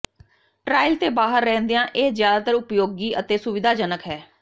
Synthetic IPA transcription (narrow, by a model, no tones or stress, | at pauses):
ʈɾaːɪlt̪eːbaːɦəɾːɛ̃ːnd̪ejãːʔeːzjaːd̪aːt̪əɾʊpjoːɡiːət̪eːsʊʋɪd̪ʱaːd͡ʒənəkɦɛː